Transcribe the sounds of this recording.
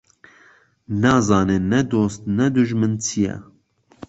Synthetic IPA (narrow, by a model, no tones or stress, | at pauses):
nɑːzɑːnenːɛd̪oːst̪̚nɛd̪uʒmɨnt͡sʰijɛ̰